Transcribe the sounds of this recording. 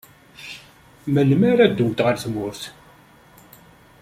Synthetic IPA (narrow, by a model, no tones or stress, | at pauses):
məlmaɾæd̪ːʊmt̪ʁəɾθmʊɾθ